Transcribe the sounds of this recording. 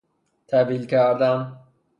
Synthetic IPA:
t̪ʰæb̪ilkʰæɾd̪æm

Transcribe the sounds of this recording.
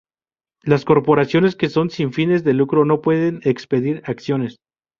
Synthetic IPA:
lasko̞ɾpo̞ɾasjo̞ne̞ske̞so̞nsiɱfine̞zðe̞lukɾo̞no̞pwe̞ðe̞ne̞kspe̞ðiɾaksjo̞ne̞s

